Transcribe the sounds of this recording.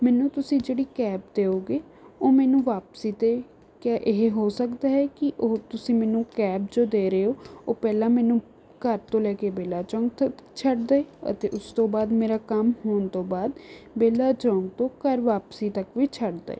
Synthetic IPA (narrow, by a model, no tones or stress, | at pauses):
mɛːnũːt̪ʊsĩːd͡ʒeːɽiːkɛːp̚d̪eːoːɡeː | oːmɛːnũːʋaːpsiːt̪eː | kaːʔeɦeɦoːsəkd̪aːɦɛːkɪʔoːt̪ʊsĩːmɛːnũːkɛːpd͡ʒoːd̪eːɾeːoːoːpɛːlãːmɛːnũː | kəɾt̪õːlɛːkeːbeːlaːt͡ʃɔ̃ːŋɡt̪t͡ʃʰəɖd̪aːeːə̰t̪eːʔʊst̪õːbaːd̪meːɾaːkəmhoːnt̪õːbaːd̪beːlaːt͡ʃɔ̃ːŋɡt̪õːkəɾʋaːpsiːt̪əkʋiːt͡ʃʰəɖd̪a̰ḛː